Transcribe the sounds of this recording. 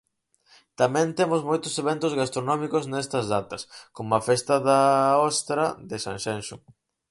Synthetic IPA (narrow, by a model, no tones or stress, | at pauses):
t̪amɛ̃nt̪emʊzmojt̪ʊseβent̪ʊzɣast̪ɾonɔmikʊznɛst̪ɐzðat̪ɐskomoafɛst̪ɐðaɔst̪ɾɐðesã̰ŋʃenʃu